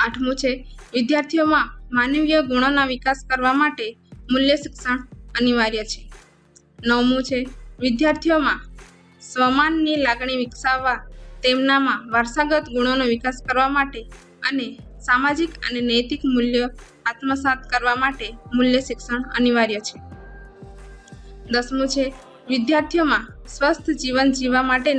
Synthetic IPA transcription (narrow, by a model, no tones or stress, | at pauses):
aʈʰmũt͡ʃʰeʋɪd̪jaɾt̪ʰijomãmanʋijəɡuɽ̃onaʋikaskəɾʋamaʈemuljəʃɪksəɳəniʋaɾjət͡ʃʰe̥ | nəwmũt͡ʃʰeʋɪd̪jaɾt̪ʰijomã | sʋəmanːilaɡɳ̃iʋɪksaʋːat̪emnamãʋaɾsaɡət̪ɡuɽ̃onoʋikaskəɾʋamaʈe | ənesamad͡ʒikə̰nenəjt̪ikmuljə | at̪məsat̪̚ʰkəɾʋamaʈemuljəʃikʃəɳə̰niʋaɾjət͡ʃʰe | d̪əsmũt͡ʃʰe | ʋɪd̪jaɾt̪ʰijomãsʋəst̪ʰd͡ʒiʋənd͡ʒiʋamaʈe